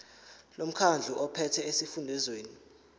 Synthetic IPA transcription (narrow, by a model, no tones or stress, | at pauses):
lom̩kʰand͡ɮʱuʔɔpʰɛtʰɛesifundʱɛzweːni